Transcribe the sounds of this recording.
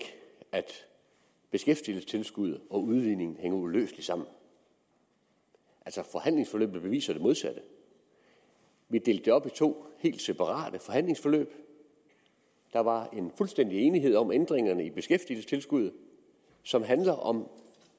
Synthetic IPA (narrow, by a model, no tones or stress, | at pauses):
æd̥ | b̥e̝sɡ̥efd̥iəlsə̥t͡sʰe̝lsɡ̥uð̞̰ˠɒ̽uðˠʋiðˠne̝ŋn̩ɦeŋəulø̰ːsli̥sɑ̈m̰n̩ | ʔælsɒfɒ̽hæn̰le̝ŋsfɒ̽lø̰ːb̥ð̩ˠb̥e̝ʋḭːsɐd̥e̝mo̝ð̞ˠsæd̥ə | ʋid̥e̝ːld̥e̝ɒ̽b̥it͡sʰo̝̰ːhe̝̰ːld̥sepʰɑ̈ʁɑ̰̈ːd̥əfɒ̽hæn̰le̝ŋsfɒ̽lø̰ːb̥ | d̥ɑ̈ʋɑ̈e̝nfulsd̥en̰d̥ie̝ːniɦe̝ð̞̰ˠɒ̽mend̥ʁeŋɐnəib̥e̝sɡ̥efd̥iəlsə̥t͡sʰe̝lsɡ̥uð̞̰ˠ | sɒ̽mɦænlɐʔɒ̽m